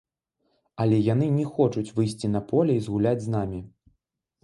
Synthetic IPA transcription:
ɐlʲɛjanɨnʲɛxɔt͡ʂut͡sʲvɨjsʲt͡sʲin̪ɐpɔlʲɛizɣulʲad͡zʲznamʲi

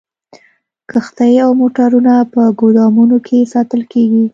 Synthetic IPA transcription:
kəxt̪ajawmoʈaɾunapəɡod̪ɑmunokʰesɑt̪əlkeɡi

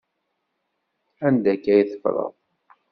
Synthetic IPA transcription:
ænd̪ækːæjθə̥fɾˤə̰ð

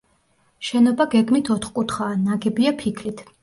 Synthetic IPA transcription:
ʃɛnɔbaɡɛɡmit̪ʰɔt̪ʰχkʼut̪χaːnaɡɛbiapʰikʰlit̪ʰ

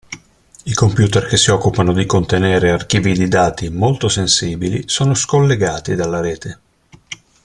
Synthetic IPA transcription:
ikompjuːt̪erkesːiɔkːupanod̪ikont̪eneːɾeark̟iːvid̪id̪aːt̪imolt̪osensiːbilisoːnoskolːeɡaːt̪id̪alːaɾɛːt̪e

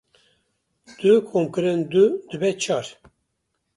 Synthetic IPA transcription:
d̪̥ɨkʰomkɨɾɨnd̪ud̪ɨbɛt͡ʃʰɑɾ

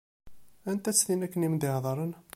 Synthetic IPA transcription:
ænt̪æt͡sːθinækːənimd̪ɪhðˤɾˤən

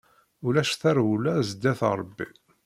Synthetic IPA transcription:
ʊlæʃθæɾwulæzd̪ːæθɾˤəbːḭ

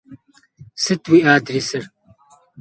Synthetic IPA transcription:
sɨt̪wiaːd̪ɾisɨɾ

